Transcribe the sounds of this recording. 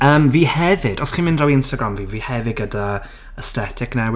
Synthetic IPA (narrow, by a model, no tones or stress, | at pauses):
əːmviːhɛvɪd̥ɔsχiːmɪndrɔwiɪnstaɡɾamviːviːhɛvɪɡəda | əstɛtʰɪknɛw